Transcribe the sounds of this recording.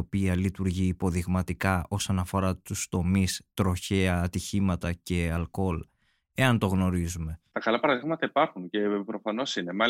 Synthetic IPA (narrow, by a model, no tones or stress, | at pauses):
o̞piɐlit̪uɾʝiːpo̞ðiɣmɐt̪ikɐʔo̞so̞nɐfo̞ɾɐt̪ust̪o̞mist̪ɾo̞çe̞ɐːt̪içimɐt̪ɐce̞ɐlko̞l | e̞ɐnt̪o̞ɣno̞ɾizume̞t̪ɐkɐlɐpɐɾɐðiɣmɐt̪ɐipɐɾxunce̞pɾo̞fɐno̞sinemɐ